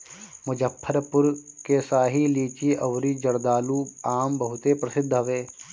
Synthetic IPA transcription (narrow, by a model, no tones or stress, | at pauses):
mʊd͡ʒəpʰːəɾpʊɾkesaːɦiliːt͡ʃiʔɐʋɾiːd͡ʒɐɾd̪aːluːaːmbɐɦʊt̪epɾɐsɪd̪ʱːɐʋeː